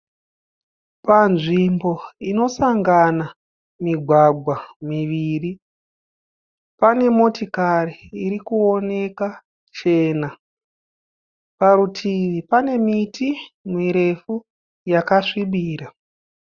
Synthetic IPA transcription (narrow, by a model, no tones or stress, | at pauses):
panʐimbo̞ino̞saŋɡana | miɡʱwaɡʱwamiʋiːri | pane̞mo̞tikariːɾikuone̞ka | t͡ʃe̞ːna | paɾutʰiʋipane̞mitimiɾe̞fu | jakaʂiɓiːɾa